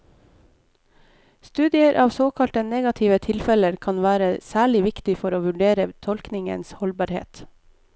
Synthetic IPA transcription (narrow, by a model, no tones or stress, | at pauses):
st̪ʉːd̪ɪəɾʔɑːʋsoːkʰɑlt̪əneːɡɑt̪ʰɪːʋət̪ʰɪlfɛləɾkʰɑnʋæːɾəsæːɭɪʋɪkt̪ɪfɔɾoːʋʉɖeːɾət̪ʰɔlknɪŋə̰nshɔlbɑːɾhḛːt̪